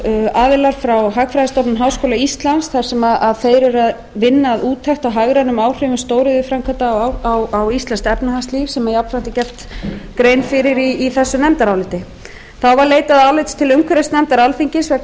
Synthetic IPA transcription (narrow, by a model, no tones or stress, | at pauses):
aːðɪlaɾ̥fɾawɦakfɾajðst̪ɔpnmɦawskoːlaist̪lansθaɾ̥sɛmaðaðθejɾʏɾað | vɪnːaːðuːt̪ʰajxt̪awɦaɣɾanʏmaːwr̥ʏvɪnst̪oːwɾɪðɪfɾamkʰat̪aawawist̪anst̪ɛpnahanst̪liːvsɛmaðjap̪fɾant̪ɪcɛft̪kɾeːjnfɪɾɪɾiːθɛsːʏnɛmt̪aɾawlɪt̪ɪ | θawvaɾleːjt̪aðaːwlɪt̪st̪ʰɪlʏŋkʰɛɾest̪nɛmt̪aɾawlfiɲcɪsvɛ